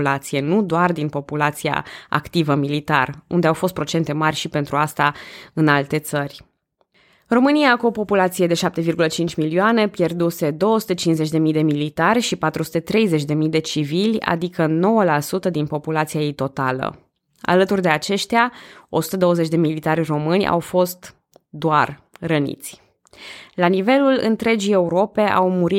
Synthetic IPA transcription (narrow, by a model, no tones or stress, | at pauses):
lat̪sije̞nud̪oard̪inpo̞pulat̪sia̰a̰kt̪ivəmilit̪arund̪eawfo̞st̪̚pɾo̞t͡ʃe̞nt̪e̞marʲʃipe̞nt̪ɾuast̪aɨnalt̪e̞t̪sərʲ | ro̞mɨniakuopo̞pulat̪sijed̪e̞ʃap̚t̪evirɡulət͡ʃint͡ʃʲmilioane̞pje̞rd̪use̞d̪o̞woəsu̥t̪et͡ʃinzet͡ʃʲd̪e̞mijd̪e̞milit̪arʲʃipat̪ɾusu̥t̪e̞t̪ɾe̞jze̞t͡ʃʲd̪e̞mid̪e̞t͡ʃivilʲa̰d̪ikəno̞wəlasut̪əd̪inpo̞pulat̪sijajejt̪o̞t̪a̰lə̰ | a̰lət̪urʲd̪e̞at͡ʃe̞ʃt̪eao̞su̥t̪əd̪o̞wəze̞t͡ʃʲd̪e̞milit̪arʲro̞mɨnʲa̰wfo̞st̪ | d̪oarrənḭt̪sʲ | lanive̞lulɨ̰nt̪ɾe̞d͡ʒie̞uɾo̞pe̞ʔa̰wmuɾi